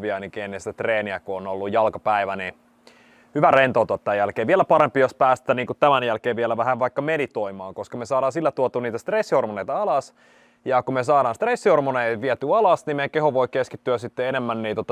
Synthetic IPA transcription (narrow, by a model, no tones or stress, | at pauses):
ʋiɑnikeːnːist̪æt̪reːniækuonolːujjɑlkɑpæiʋæni | hyʋærent̪oˑut̪uɑt̪t̪ːæːjælkeːʋiælæpɑɾempijospæːst̪æːniːŋkut̪æmænjælkeːʋʋiælæʋæhæʋʋɑikːɑmedit̪oimɑːŋkoskɑmesɑːɾɑːnsilːæt̪uot̪uːniːt̪æst̪resːihormoneit̪ɑɑlɑs | jɑkumesɑːɾɑːnst̪resːihormoneiʋiæt̪yːɑlɑsnimekehoʋoikeskit̪ːyæsit̪ːeenemːænniːt̪ot̪